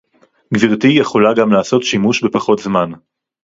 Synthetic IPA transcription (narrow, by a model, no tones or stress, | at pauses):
ɡviʁtijeχo̞laɡamlaːso̞tʃimuʃbe̞paχo̞tzman